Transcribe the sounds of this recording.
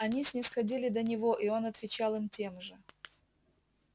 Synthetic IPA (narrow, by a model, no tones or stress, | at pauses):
ɐnʲisʲnʲɪsxɐdʲilʲɪd̪ənʲɪvo̞ʔio̞nɐt̪vʲɪt͡ɕalˠɨmtʲe̞mʐɨ